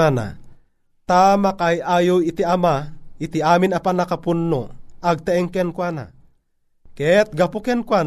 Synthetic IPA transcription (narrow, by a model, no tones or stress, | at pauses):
ana̰ | t̪amakajʔaːjowit̪iɐmait̪iaːminɐpanɐkapunːoɐɡ̚t̪aɛŋkɛnkwana̰ | kɛt̪̚ɡapukɛnkwan